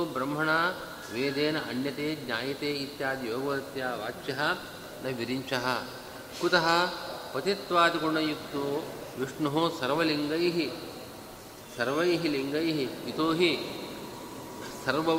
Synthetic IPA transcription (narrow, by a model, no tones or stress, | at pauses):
ubɾɐmɦɐɳaː | ʋeːd̪eːnɐʔɐ̰njɐt̪eːd̪ɲaːjɐt̪eːit̪jaːd̪joːɡɐɐt̪jaːʋaːtjɐɦɐ̆ | nɐʋiɾiɲt͡ʃɐɦɐ | kut̪ɐɦɐ̆pɐt̪it̪ʋaːt̪iɡuɳɐjukt̪uʋiʂɳuɦusɐɾʋɐliŋɡɐjɦi | sɐɾʋɐjɦiliŋɡɐjɦiit̪oːɦi | sɐɾʋɐ